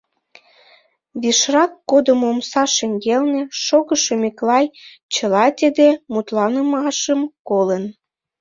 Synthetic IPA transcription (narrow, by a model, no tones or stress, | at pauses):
βiʃrɑkːod̪əmomsɑʃeŋɡelnĕʃoɣəʃomeklɑj | t͡ɕəlɑt̪ʲed̪emut̪lɑnəmɑʃəmkolən